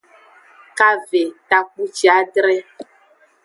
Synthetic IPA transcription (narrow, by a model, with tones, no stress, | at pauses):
ka˦ve˨ta˨k͡pu˦t͡ʃi˦a˦ɖɾɛ˦